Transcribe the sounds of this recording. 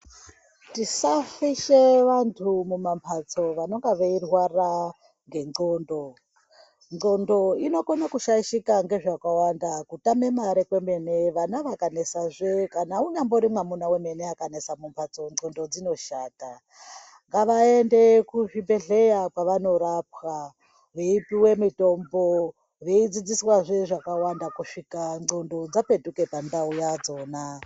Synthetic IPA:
tisafiʃe̞ʋantʰumumampʰat͡so̞ʋano̞ŋɡaʋeirwara | ŋɡe̞ŋ͡ǀo̞ːndo | ŋo̞ndo̞ino̞konakuʃaiʃikaŋɡe̞ʐakawandakutame̞maɾekwe̞me̞ne̞ʋanaʋakane̞saʐekanauɲamboɾimwamunaweme̞neakane̞samumpʰat͡soŋondo̞d͡zino̞ʃaːta | ŋɡaʋaende̞kuʐimbe̞ɮe̞jakwaʋano̞ɾap̚wa | ʋeipiwe̞mito̞mbo | ʋeid͡zid͡ziswaʐeʐakawandakuʂikaŋ͡ǀondo̞d͡zape̞duke̞pandaujad͡zo̞ːna

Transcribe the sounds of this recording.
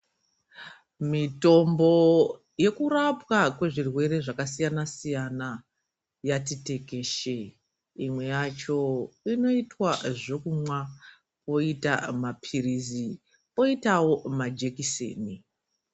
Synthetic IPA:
mito̞mbo̞ | je̞kurapwakwe̞ʐirwe̞ɾe̞ʐakasijanasijana | jatite̞ke̞ʃe | imwe̞jat͡ʃo̞ino̞itwaʐo̞kumwa | po̞ita̰mapʰiɾizi | po̞itawo̞mad͡ʒe̞kisḛːni

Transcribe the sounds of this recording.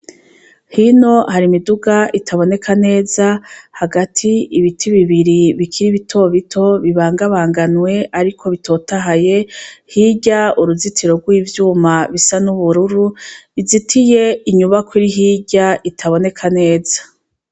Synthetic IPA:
hino̞haɾimiduɡaʔitʰaβo̞ne̞kʰane̞ːzahaɡatʰiiβitʰiβiβiɾiβikʰiɾiβitʰo̞βitʰo̞βiβaːŋɡaβaːŋɡanwe̞ʔaɾikʰo̞βitʰo̞taɦaje̞hiɟauɾuzitʰiɾo̞ɡwiːvjuːmaβisanuβuɾuɾuizitʰije̞iɲuβakwiɾiɦiːɟaʔitʰaβo̞ne̞kʰane̞ːz̥ḁ

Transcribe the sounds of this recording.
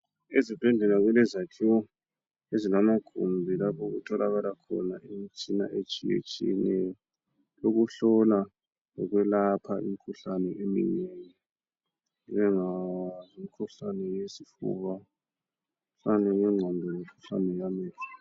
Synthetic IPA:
ezib̥ʱɛndʱɛnaɣwɛlɛzatʰiwɔ | ezinamaɡ̥ʱumbʱilapʰɔɣutʰɔlʔaɣalakʰɔ̰naemit͡ʃʼina̰ʔet͡ʃʼijḛt͡ʃʼḭɛnɛjɔ | loɣuɬɔla | ɔɣwɛlapʰaʔḭm̩ikʰuɬanɛʔemḭneːŋɛ | ɣɛŋazimikʰuɬanɛjesifṵβa | fanɛŋɛŋ͡ǀʱɔndʱɔlɛkʰuɬa̰nɛjamɛːla

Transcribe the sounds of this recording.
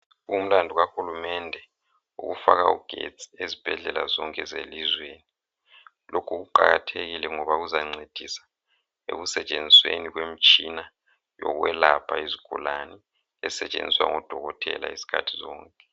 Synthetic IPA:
um̩landʱuɣaxulumɛndʱɛ | ṵɣufaɣaṵɡ̥ʱḛt͡sʰʼi̥ezib̥ʱɛɮɛlazɔŋkʼɛzelizweːni | lʔokʰuɣuǃaɣatʰeɣilɛŋɔβauzaŋ͡ǀed̥ʱisḁ | ḛɣusɛt͡ʃʼend͡zʱisweniɣwem̩t͡ʃʼina | jɔ̰ɣwɛlapʰaiziɡ̥ʱulani | ɛsɛt͡ʃʼend͡zʱiswa̰ŋɔd̥ʱɔɣɔtʰɛ̰la̰isi̥kʰa̰tʰi̥zɔːŋkʼɛ

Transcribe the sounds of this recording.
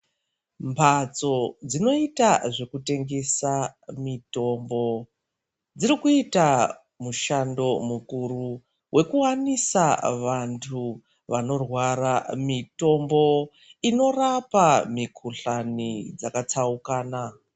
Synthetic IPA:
mpʰat͡so̞d͡zino̞itaʐe̞kute̞ŋɡe̞samito̞mbo̞ | d͡ziɾikuita | muʃando̞mukuɾu | wʔe̞kuwanisaʋantʰu | ʋano̞rwaramito̞mbo̞ | ino̞rapamikʰuɬanid͡zakat͡saukaːna

